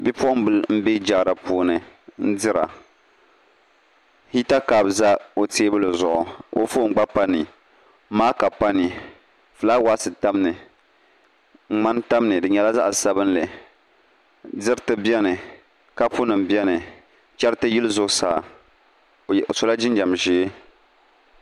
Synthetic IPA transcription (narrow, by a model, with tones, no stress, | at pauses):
bi˦pɔ˦m˦bɨ˦lm̩˦be˦d͡ʒa˨ɾa˨puː˨˦nɨ˨n̩˦dɪ˦ɾa̰˨ | hi˦ta˦ka˨bza˦o˨teː˦bɨ˦lɨ˨zʊ˨ʔʊ˨ʔo̰˦fo˦ŋ͡m̩˦ɡ͡ba˦pa˦ni˨˦ | maː˦ka˨pa˦ni˨ | fɨ˨la˦wa˦sɨ˨ta˦m˦nɨ˨ | ŋ͡m̩˨ŋ͡ma˦nta˦m˦nɨ˨dɨ˨ɲɛ˨la˦za̰˦ʔsa˦bɨ˦n˦lɨ˨ | dɪ˦ɾtɨ˦bɛ˦nɨ˨ | ka˦pu˦nɨ˨m˨bɛ˦nɨ˨ | t͡ʃɛ˦ɾtɨ˦ji˦lɨ˦zʊ˨ʔsa̰ː˨ | so˨la˦d͡ʒɪ˦nd͡ʒa˨mʒiː˦